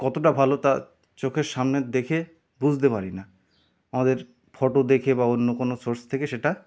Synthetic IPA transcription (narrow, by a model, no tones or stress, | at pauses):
kɔt̪oʈabʱalot̪a | t͡ɕokʰeɾʃamned̪ekʰe | bud͡ʑʱt̪epaɾina | amad̪eɾ | fʰɔʈod̪ekʰebaonːokonosoɾst̪ʰekeʃeʈa